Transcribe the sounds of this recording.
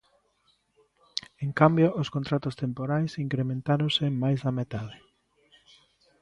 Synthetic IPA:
eŋkambjoʔʊskont̪ɾat̪ʊst̪empoɾajsiŋkɾemẽnt̪aɾonsemajzðamet̪að̞ɪ

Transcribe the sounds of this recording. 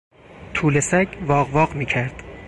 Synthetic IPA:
t̪ʰuːlesæɟvɒːɣvɒːɢmiːcʰæɾd̪̥

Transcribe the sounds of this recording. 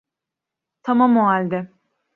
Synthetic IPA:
t̪ʰamamoɦalʲd̪ɛ

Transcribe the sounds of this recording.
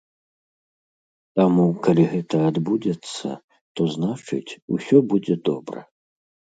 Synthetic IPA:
t̪amukalʲiɣɛt̪ɐad̪bud͡zʲɛt̪sːɐ̰ | t̪ɔznat͡ʂɨ̰t͡sʲṵsʲɔbud͡zʲɛd̪ɔbɾɐ̰

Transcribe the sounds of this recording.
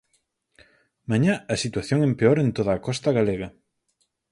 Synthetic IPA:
maɲãɐsit̪waθjoŋempeoɾent̪oðaːkɔst̪ɐɣaleɣɐ

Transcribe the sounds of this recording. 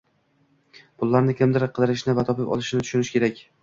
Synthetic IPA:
b̥ʊlˠːaɾnɪkʲʰɪmd̪ɪɾqʰɨd̪ɪɾɪʃnɪvat̪ʰɒpɪpɒ̰lˠɪʃɪnɪt̪ʰʊ̥ʃʊnɪʃkʲʰe̞ɾakʲ

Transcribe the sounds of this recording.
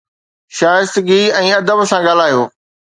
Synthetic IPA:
ʃaːjɪst̪ɡiɛ̃ːɐd̪əbsãɡaːl̤aːijoː

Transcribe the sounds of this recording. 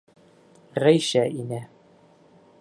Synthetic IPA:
ʁæjʃæʔinæ

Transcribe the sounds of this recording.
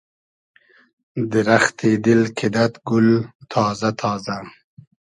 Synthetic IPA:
d̪əɾaxt̪ʰeːd̪ilkʰɪd̪at̪ɡult̪ʰɑːzat̪ʰɑːza

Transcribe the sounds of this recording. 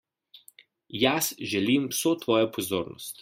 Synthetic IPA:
jasʒɛlimwsoːt̪ʋɔːjɔpɔzoːɾnɔ̰st̪

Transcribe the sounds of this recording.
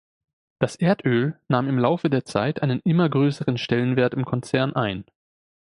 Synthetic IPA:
d̥asʔeːɐtʰʔøːlnaːmɪmlaʊfədeːɐt͡saɪtʔaɪnənʔɪmɐɡʁøːsəʁənʃtɛlənveːɐtɪmkʰɔnt͡sɛɐnʔaɪn

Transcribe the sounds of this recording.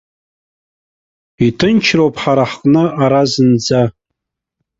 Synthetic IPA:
itʰɨnt͡ʃʰropʼħaɾaħqʼnɨaɾazɨnd͡za

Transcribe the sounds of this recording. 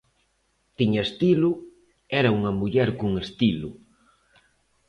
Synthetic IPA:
t̪iɲɐest̪ilʊ | ɛɾɐuŋɐmuʎɛɾkuŋest̪ilʊ

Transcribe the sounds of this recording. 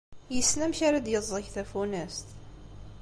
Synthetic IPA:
jəsːnæmçaɾad̪jəzˤəçθæfunæst̪

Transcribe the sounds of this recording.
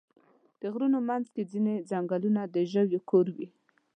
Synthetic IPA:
d̪̥əɣɾunomanzked͡zined͡zaŋɡalunad̪əʒəwjokoɾwi

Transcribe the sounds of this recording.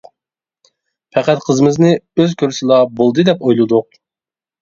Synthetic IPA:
pʰɛqæt̪qʰəzɨmɨznɨøzkʲʰøɾsɪlˠɑbolˠd̪ɨd̪ɛpojlˠɨd̪ʊq̚

